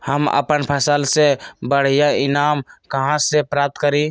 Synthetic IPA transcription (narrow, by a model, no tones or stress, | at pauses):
həmə̰pənpʰəsəlsebəɽ̤ijainamkəɦãsepɾap̚t̪kəɾi